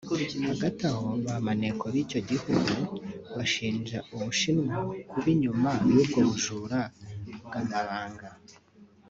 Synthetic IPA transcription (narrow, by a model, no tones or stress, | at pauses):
haɡataho̞βamane̞kʰoβico̞ɟihuɡuβaʃiːnd͡ʒauβuʃinŋakuβiɲumawuːb̚ɡo̞βuʒuːɾabɡanaβaːŋɡa